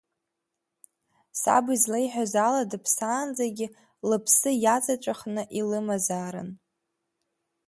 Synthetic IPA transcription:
sa̰bizlejħʷᶣazaladɨpʰsaːnd͡zaɡʲɪ | lɨpʰsɨjat͡sʼat͡ʃʷʼaχnɨʔilɨmazaːɾɨ̰n

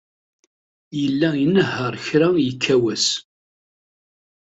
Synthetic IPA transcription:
jəlːæinəɦːəɾˤçɾæjəkʰːæwæs

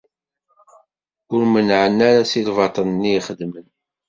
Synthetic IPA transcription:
ʊɾmənʕənːaɾasilvɑt̪ˤənnːijχəd̪mən

